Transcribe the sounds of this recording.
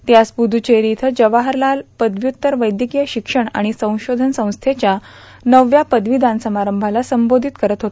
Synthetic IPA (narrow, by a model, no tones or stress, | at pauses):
t̪jaspud̪ʱut͡ɕeɾit̪ʰəd͡ʑəʋaɦəɾlalpəd̪ʱʋjut̪ːəɾʋəjd̪jəkijəɕikʂəɳa̰ɽ̃isə̃w̃ɕod̪ʱənsə̃w̃st̪ʰet͡ɕja | nəʋjapəd̪ʱʋid̪ansəmaɾəmbʱalasəmbod̪ʱit̪kəɾət̪ɦot̪